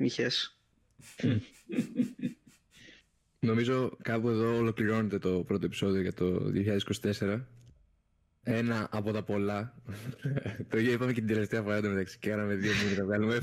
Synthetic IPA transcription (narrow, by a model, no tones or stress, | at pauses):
miçes | no̞mizo̞kɐpue̞ðo̞ːlo̞kliɾo̞ne̞t̪e̞t̪o̞pɾo̞t̪oe̞piso̞ðioʝɐt̪o̞̰ðḭoçiʎɐðsiko̞si̥t̪e̞se̞ɾɐ | e̞nɐʔːpo̞t̪ɐpo̞lɐ | t̪oipɐmecet̪ind̪ele̞ft̪e̞ɐfoɾɐd̪ɐmet̪ɐksi̥cekɐnɐme̞ðio̞minɐt̪ɐvɣɐlume